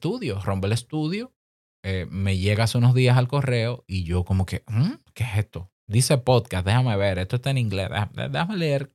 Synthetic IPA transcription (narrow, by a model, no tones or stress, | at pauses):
t̪uðjoro̞mpele̞st̪uðjo | eme̞ʝe̞ɣaasunozðiasalko̞re̞oiʝo̞ko̞mo̞ke̞kesest̪o̞ | d̪ise̞pod̪kasd̪e̞hame̞βe̞ɾest̪ost̪aeniŋɡlḛsðehaḛd̪ehame̞leeɾ